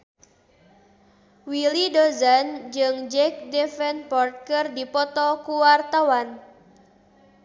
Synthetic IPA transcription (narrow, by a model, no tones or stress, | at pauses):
wilidozand͡ʒɨŋd͡ʒɛk̚dɛfɛnpɔrt̪̚kərdipɔt̪ɔkuwart̪awan